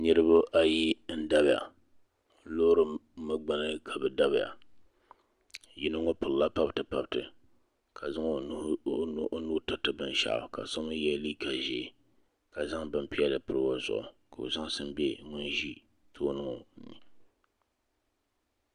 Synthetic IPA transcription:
ɲɨ˦ɾɨ˦bʊ˦ʔa˨ji˦n̩˦da˦bja̰˨ | lo˦ɾɨ˨mɨ˦ɡ͡ba˦nɨ˦kʰa˨bɨ˨da˦βɪ˨ja̰˨ | ji˨nɨ˦ŋo˦pʊ˨lla˦pa˦btɨ˨pa˨btɨ˨ | kʰa˨za˦ŋ˨˦ | nu˦tɨ˨tɨ˦bɨ˨n˨ʃa̰˨ʔka̰˨sa˦m˦jɛ˦li˦ka˨ʒi˨ | ka˨za˦ŋbɨ˨mpi˦ɛ˦lɨ˨pɨ˨ɾɨ˦wa˦zʊ̰˨ʔʊ̰˨ka˨o̰˨za˦ŋ˦sɨ˦m˦bɛ˦ŋʊ˦nʒi˦ | tʰoː˦nɨ˦ŋɔ˨˦ni˨

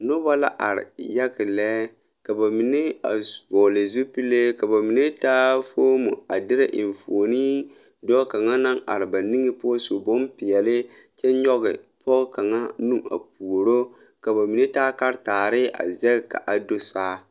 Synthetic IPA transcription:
nʊ˦ba˦la̰˦ʔa̰˨ɾɪ̰˨ja˦ɡɪ˨lɛː˦ | ka˨ba˨mi˨ne˦a̰˨bɔː˨lɪ˨zu˦pi˦le˦ka˨ba˨mi˨ne˦taː˦fo˦mu˨a˨dɪ˦ɾɪ˦ʔɪ˨ɱfo˨niː˦ | dɔ˦ka˨ŋa˦na˦ŋa̰˨ɾɪ˨ba˨ni˦ŋɪ˦pʊ˦ɔ˦so˨bo˦mpɪ˨jɛ˨lɪ˦ | t͡ʃɛ˦nɲɔ˦ɣɪ˨pɔ˦ɣka˨ŋa˦nu˦ma̰˨p̚u˨o˨ɾo˦ | ka˨ba˨mi˨ne˦taː˦ka˦ɾtaː˨ɾɪ˦ʔa̰˨zɛ˦ɡka̰˨ʔa˨do˦saː˦

